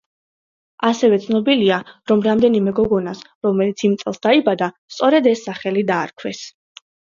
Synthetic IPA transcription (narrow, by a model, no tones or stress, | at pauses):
asɛvɛt̪sʰnɔbiliaɾɔmɾamd̪ɛnimɛɡɔɡɔnas | ɾɔmɛlit̪sʰimt̪sʼɛlˠsd̪aibad̪ast̪sʼɔɾɛd̪ɛsːaχɛlid̪aːɾkʰwɛs